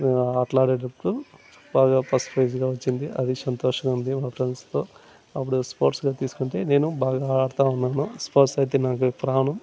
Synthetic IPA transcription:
aːʈlaːɽeːɖɐpku | baːɡaːpʰɐspʰɾɐjd͡ʒɡaːʋɐt͡ʃːind̪iʔɐd̪isɐnt̪ɔːʂɐɡaund̪imaːpɾenɖst̪o̞ː | ɐpːuɽuspoːʈsɡaːt̪iːsu̥kuɳʈe̞ːne̞ːnubaːɡaːaːɽt̪aːunːaːnuspoːʈsɐjt̪̬e̞ːnaːk̬upɾaːɳɐm

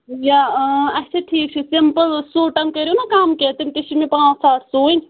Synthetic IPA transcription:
jaːɐt͡ʃʰeʈʰiːk̚t͡ʃʰisimpəlsuːʈɐŋkɐɾʲijunakamket̪imt̪iʃimĩpãːt͡ʃsaːʈʰsoːinʲ

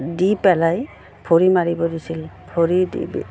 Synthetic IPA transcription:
dipɛlaj | pʰoɹimaɹibɔdisilpʰoɹidḭbḭ

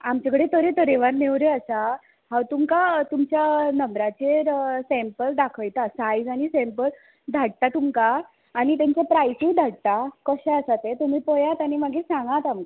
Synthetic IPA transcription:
amt͡ɕakəɽet̪əɾet̪əɾeʋaɾneʋɾeəsa | hãwt̪umkat̪umt͡ɕjanəmɾat͡ɕeɾsɛ̃mpəld̪akʰəjt̪asajd͡zaɽ̃isɛ̃mpəl | d̪ʱaɽ̚t̪at̪umkaː | nit̪ɛmt͡ɕapɾajsuːd̪ʱaɽt̪akəɕaəsat̪et̪um̤iːpəjat̪añimaɡʱesãŋɡãt̪amka

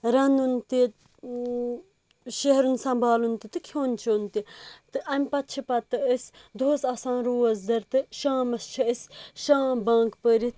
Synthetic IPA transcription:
ɾɐnunt̪i | ʃeɦɾunsɐmbʱaːlunt̪it̪ɨkʰjoːnt͡ʃʰont̪it̪ɨʔɐmʲpɐt̪t͡ʃʰipɐt̪ɨəsʲd̪oːsɐsãːnɾuːɐzd̪ɐɾt̪ɨʃaːmɐst͡ʃʰɐəsʲʃãːbãːŋkpəɾit̪

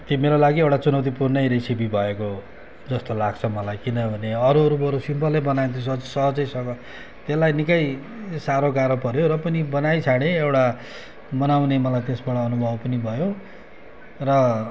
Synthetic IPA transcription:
t̪jiomeɾolaɡiewʈat͡sunʌwt̪̬ipurnʌjɾesibibʱʌeko | d͡zʌst̪olaɡt͡sʰʌmʌlajkinʌbʱʌneʌɾuɾupʌɾusimpʌlebʌnaent̪ʰosʌʌd͡zsʌɦʌd͡zʌjsʌkʌ | t̪elːajnikʌj | saɾoɡaɾopʌɾjoɾʌpʌnibʌnajt͡sʰaɽ̃eewʈa | mʌnawnemʌlajt̪esbʌɽʌːnubʱʌbpʌnibʱʌjo | rʌ

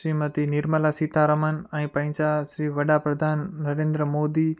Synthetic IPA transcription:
ʃɾimɐt̪inɪɾməlasit̪ʰaɾɐmənɛ̃ːpɐ̃ɪ̃saʃɾiːʋɐɖapɾɐd̪ʱaːnːɐɾẽːnd̪ɾəmoːd̪i

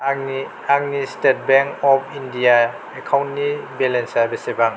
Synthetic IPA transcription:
i | aŋnistet̚beŋkɔpʰindija | ekʰawntnibelensabesebaŋ

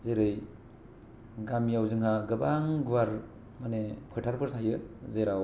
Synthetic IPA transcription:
zeɾɯj | ɡamijawzɯŋɦaɡɯbaŋɡwaɾ | manepʰɯtʰaɾpʰɯɾtʰajɯzeɾaw

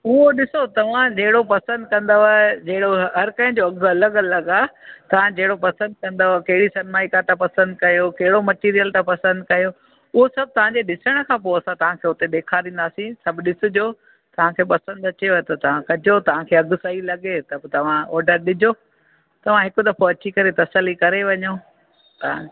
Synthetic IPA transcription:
ʊɦoɗɪsot̪ɐʋ̤ãd͡ʑɐɦɪɽopɐsə̃nd̪̚kɐ̃nd̪oaed͡ʑɐɦɪɽoɦɐɾkɐ̃ɦɪ̃d͡ʑoɐɡɐləɡɐləɡaːt̪ɐʋ̤ãd͡ʑɐɦɪɽopɐsə̃nd̪̚kɐ̃nd̪okɐɦɪɽisɐnmaːikat̪ãpɐsə̃nd̪kɐjokɐɦɪɽomɐʈiːɾijəlt̪ãpɐsə̃nd̪kɐjo | ʊɦosɐb̚t̪ɐʋ̤ãɲd͡ʑeɗɪsəɽ̃kʰãːpoɐsãt̪ɐʋ̤ãkʰeːʊt̪eɗ̪eːkʰaɾĩːn̆d̪aːsĩsɐbʱɗɪsʊd͡ʑoː | t̪ɐʋ̤ãkʰeːpɐsə̃nd̪ɐt͡ɕeot̪ɐt̪ɐʋ̤ãkɐd͡ʑʱot̪ɐʋ̤ãkʰeːɐɡʊsaɦilɐɠet̪ɐbt̪ɐʋ̤ãɔːɖəɾɗɪd͡ʑʱo | t̪ɐʋ̤ãɦɪkʊd̪ɐfoɐt͡ɕikɐɾet̪ɐsəlikɐɾeʋɐɲoː | t̪ɐã

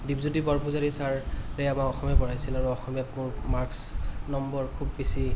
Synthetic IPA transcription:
dibzudibɔɹpʊzaɹisaɹɹɛjamakɔxɔmɛbɔɹajsilaɹuɔxɔmijatmʊɹmaɹksnɔmbɔɹkʰubːisi

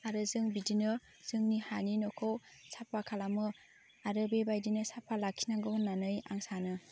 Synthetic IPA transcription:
aɾɯzɯŋbidinɯ | z̥ɯŋnihaninɔkʰowsapʰːakʰalamɯ | aɾɯbebajdinɯsapʰːalakʰinaŋɡɯwnanɯja̰ŋsanɯ

